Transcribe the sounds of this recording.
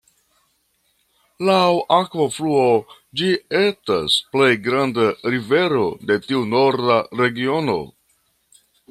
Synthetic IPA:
lawʔakvofluo | d͡ʒie̞sta̰sple̞jɡɾandaɾive̞ɾo̞de̞tiuno̞ɾdaɾe̞ɡio̞no̞̰

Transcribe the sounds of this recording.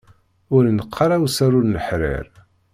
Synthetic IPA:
ʊɾnəqʰːɑɾˤawsaɾʊɾnəħɾɪ̰ɾ

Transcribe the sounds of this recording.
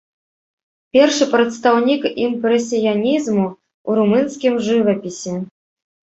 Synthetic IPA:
pʲɛrʂɨpɾɛt̪st̪awnʲikimpɾɛsʲijanʲizmu | uɾumɨnskʲimʐɨvɐpʲisʲɛ

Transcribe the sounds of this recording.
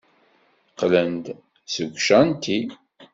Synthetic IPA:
qlənd̪ | səɡʷʃænt̪ʰi

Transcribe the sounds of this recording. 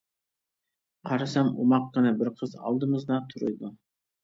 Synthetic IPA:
qʰɑɾɑsɑmṵmɑq̚qɨnɛbɪɾqʰəzɑ̰lˠd̪ɨmɨzd̪ɑt̪ʰʊɾɨ̰jd̪u

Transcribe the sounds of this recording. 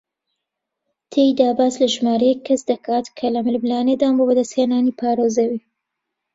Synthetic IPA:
t̪ʰejd̪aːbaːslɐʒmaːɾejɛkʰːɐsd̪ɐkʰaːt̪kʰɐlɐmɪlɨblaːned̪aːnbobɐd̪ɐsheːnaːniːpʰaːɾoːzɐwi

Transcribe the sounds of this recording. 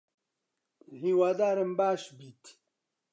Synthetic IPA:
hiːwaːd̪aːɾəmbaːʃbiːt̪

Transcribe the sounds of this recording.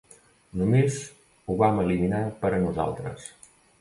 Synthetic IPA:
numez | uβaməliminapəɾənuza̰lˠt̪ɾə̰s

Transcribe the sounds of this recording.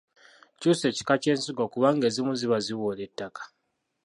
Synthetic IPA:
cuse̞ːci̥kace̞ːnsiɡo̞kuβaŋɡe̞ːzimuziβaziwole̞tːakḁ

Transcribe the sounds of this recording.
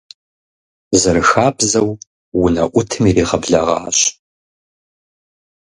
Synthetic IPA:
zɨrɨxaːbzɐw | wʊnɐʔʷʊtʰɨmiriːʁɐbɮɐʁɑ̰ːɕ

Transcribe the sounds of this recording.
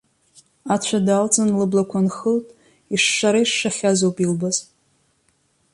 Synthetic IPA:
at͡ɕʷʰadalt͡sʼanlɨblakʷʰanxɨltʼ | iʂːaɾaiʂːaχʲazowpʼilbaz

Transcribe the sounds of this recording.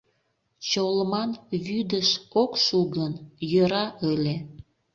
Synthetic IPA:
t͡ɕoləmɑnβyd̪əʃokʃuɣənjəɾɑʔəlʲe

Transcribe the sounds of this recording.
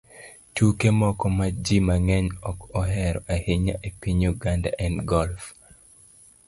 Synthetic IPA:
tukemɔkɔmad͡ʒimaŋɛɲɔkɔɦɛɾɔʔahiɲa̰ʔepiɲuɡanda̰ʔɛnɡɔlf

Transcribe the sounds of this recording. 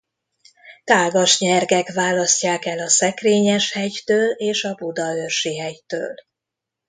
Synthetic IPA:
t̪aːɡɒʃɲɛrɡɛkʋaːlɒscaːkɛlɒsɛkreːɲɛʃhɛɟt̪øːleːʃɒbud̪ɒørʃiɦɛɟt̪ø̰ːl

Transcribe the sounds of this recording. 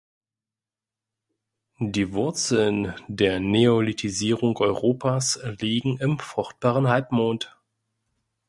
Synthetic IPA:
diːvʊɐt͡sl̩ndeːɐneolitʰiziːʁ̞ʊŋʔɔʏʁoːpʰaːsliːɡŋ̩ɪmfʁ̥ʊχt̚b̥aːʁənɦalpmoːnt

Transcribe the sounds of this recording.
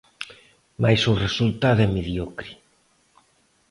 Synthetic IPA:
majsuresult̪aðɛmeðjɔkɾi

